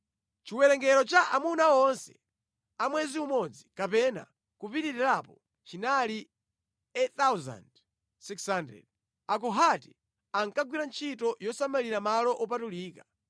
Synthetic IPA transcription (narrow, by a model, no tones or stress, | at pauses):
t͡ʃiwɛɾɛŋɡɛɾɔt͡ʃaʔamunaɔnsɛ̥ | amwɛziumɔd͡zikapɛna̰ | kupitiɾiɾapɔ | t͡ʃinali | ɛt̪awza̰nd | sikshandɾɛ̰d̚ | akɔɦati | aŋkaɡwiɾant͡ʃʰitɔjɔsamaliɾamalɔʔɔp̬atuliːka